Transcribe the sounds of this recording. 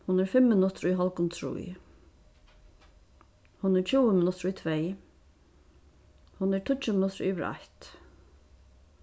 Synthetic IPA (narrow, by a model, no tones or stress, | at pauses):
hʊnɛɾɹfɪmːɪnʊt̪ɾʊiɦɔlkʊnt̪ʰɾṵj | hʊnɛɹt͡ʃʰuːəmɪnʊt̪ɾʊit̪ʰveː | hʊnɛɹt̪ʰʊt͡ʃəmɪnʊt̪ɾiʋɪɾa̰ht̪